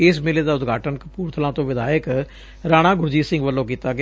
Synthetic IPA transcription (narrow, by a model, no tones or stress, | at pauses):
ɪs̬mɪleːd̪aːʊt̪ɡʱaːʈənkəpuːɾt̪ʰəlãːt̪õːʋɪd̪aːjək | ɾaːɽ̃ãːɡʊɾd͡ʒiːsɪ̃ŋɡʋəlːõːk̬iːt̪aːɡ